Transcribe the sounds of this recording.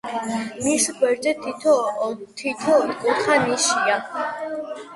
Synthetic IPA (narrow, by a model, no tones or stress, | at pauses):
miʃɡwɛɾd͡ʒɛt̪ʰ | t̪ʰit̪ʰɔkʼut̪χaniʃia